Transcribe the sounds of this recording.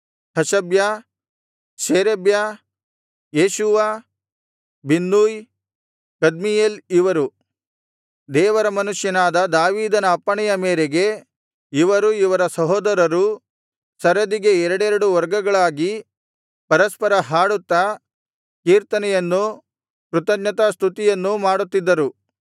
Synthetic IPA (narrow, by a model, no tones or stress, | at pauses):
hɐʃɐbja | ʃeːɾebja | jeːʃuʋa | binːuːj | kɐd̪mijeːliʋɐɾu | d̪ɛːʋɐɾɐmɐnuʂjɐnaːd̪ɐd̪aːʋiːd̪ɐnɐːpːɐɳɛjɐmeːɾeɡe | iʋɐɾuiʋɐɾɐsɐɦoːd̪ɐɾɐɾu | sɐɾɐd̪iɡe̞ɛɾɐɽɛɾɐɽuʋɐɾɡɐɡɐɭaːɡi | pɐɾɐspɐɾɐɦaːɽut̪ːɐ | kiːɾt̪ɐnɛjɐnːu | kɾut̪ɐɡnɐt̪ast̪ʰut̪ijɐnːumaːɽut̪ːid̪ːɐɾu